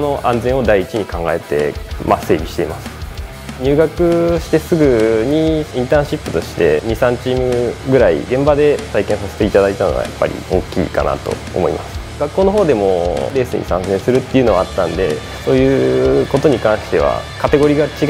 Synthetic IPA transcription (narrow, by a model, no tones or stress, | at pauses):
no̞ʔãnzẽɰ̃o̞d̪aiːt͡ɕiɲ̟ikãŋɡa̰e̞t̪e̞̰mase̞ːbʲiɕi̥t̪e̞imasɨ̥ | ɲ̟ʲɨːɡakɯ̟ɕi̥t̪e̞sɨɡɯ̟ɲ̟iĩnt̪ãːɕipːɯ̟t̪o̞ɕi̥t̪e̞̰ɲ̟isãɲt͡ɕiːmɯ̟ɡɯ̟ɾaḭɡẽ̞mbad̪e̞t̪aikẽ̞ɰ̃sase̞̥t̪e̞it̪ad̪ait̪ano̰ɡa̰ja̰pːa̰ɾʲḭo̞̰ːkʲḭːka̰na̰t̪o̞̰o̰mo̞̰ḭmasɨ̥ | ɡakːo̞ːnoɦo̞ːd̪e̞mo̞ɾe̞ːsɨ̰ɲ̟ḭsã̰ñzẽ̞ɰ̃sɨɾɯ̟t̪ːe̞iɯ̟no̞βaat̪ːãnd̪e̞̰ | so̞ːjɯ̟ko̞t̪o̞ɲ̟ikãɰ̃ɕi̥t̪e̞β̞a̰kat̪e̞ɡo̞ɾʲiːɡat͡ɕiɡ